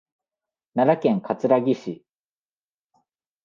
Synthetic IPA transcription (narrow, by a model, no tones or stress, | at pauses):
naɾakẽ̞ŋkat͡sɨɾaɡʲiɕi